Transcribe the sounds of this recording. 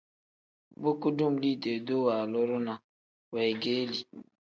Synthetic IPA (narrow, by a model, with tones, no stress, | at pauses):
bo˦ku˦du˦m̩˨li˦˨de˨do˦wa˨lʊ˦ɾʊ˦na˨ | we˨ɡe˦li˨